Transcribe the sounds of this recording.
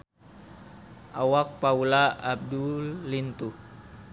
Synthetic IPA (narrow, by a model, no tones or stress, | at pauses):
ʔawak̚paulaʔab̚dulint̪u